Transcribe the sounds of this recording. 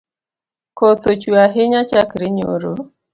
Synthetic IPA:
kot̪ot͡ʃuaɦɪɲat͡ʃakɾɪɲo̰ɾo

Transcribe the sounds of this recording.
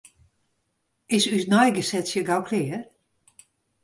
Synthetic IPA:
ɪsysnɔjɡəsɛtsjəɡawkʰlɪːə

